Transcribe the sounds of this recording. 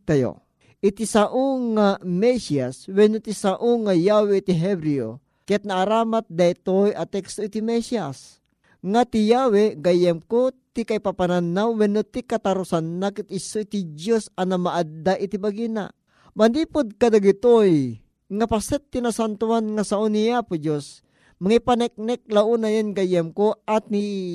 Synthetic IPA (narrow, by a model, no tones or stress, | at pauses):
t̪ajo̰ | ʔɪt̪isaʔoŋamɛsiaswɛnot̪isaʔoŋajawɛit̪iɦɛbɾio̰ | kɛt̪̚naʔːɾaːmat̪̚d̪ait̪ojat̪ɛkst̪oit̪imɛsias | ŋat̪ijawɛɡajɛmkot̪ikajpapananawːɛnot̪ikat̪aɾʊsanːakit̪ɪsoit̪id͡ʒjosanamaʔad̪d̪aʔit̪ibaɡina̰ | band̪iːpʊd̪̚kad̪aɡit̪oj | ŋapasɛtt̪ːinasant̪uanŋasaʔoniapʊd͡ʒos | maŋipanɛk̚nɛk̚laʔunajonɡajɛmkoʔat̪̚ni